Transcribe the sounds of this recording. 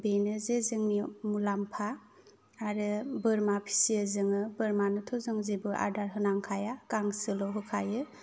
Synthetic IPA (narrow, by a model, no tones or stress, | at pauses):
benɯzezɯŋnimulampʰaː | ɾɯbɯɾmapʰi̥siəzɯŋɯbɯɾmanɯtʰɔzɯŋzebɯʔa̰ɾdaɾɦɯnaŋkʰajakaŋsɯlɔɦɯkʰajɯ